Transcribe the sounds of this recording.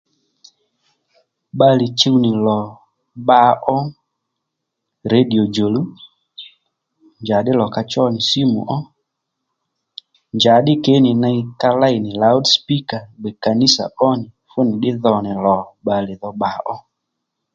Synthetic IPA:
ɓa˧lɪ˨t͡ʃe˦wnɪ˨lɔ˨ | ɓa˧˦ʔɔ˦ | ɾe˦di˨o˨d͡ʒo˨lu˦ | nd͡ʒa˨ɗɪ˦lɔ˨ka˧t͡ʃɔ˦nɪ˨si˦mṵ˨ʔɔ˦ | nd͡ʒa˨ɗɪ˦ke˨˦nɪ˨na˧i˦ka˧la˦jnɪ˨la˨˦wdspi˦ka˨ɡ͡bɛ˨ka˨ni˦sa̰˨ʔɔ˦nɪ˨ | fʊ˦nɪ˨ɗɪ˦ðɔ˨nɪ˨lɔ˨ɓa˨lɪ˨ðɔ˧ɓa˨˦ʔɔ˦

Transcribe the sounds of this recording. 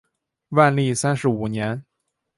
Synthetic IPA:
wa˥˧nli˥˩sa˥nʂɻ̩˧˥u˨˩njɛ˧˥n

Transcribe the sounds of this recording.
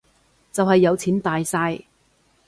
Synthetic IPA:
t͡sɐ˨whɐ˨jːɐ˨˧wt͡sʰiː˨˥nt̪aː˨jsaː˧j

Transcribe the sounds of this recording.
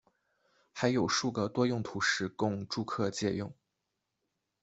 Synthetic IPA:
xa˧˥ɪjo˨˩ʊʂu˥˩ɡə˩t̪wɔ˥jʊ˥˩ŋt̪ʰu˧˥ʂɻ̩˧˥kʊ˥˧ŋʈ͡ʂu˥˧kʰɤ˥˧t͡ɕjɛ˥˧jʊ˥˩ŋ

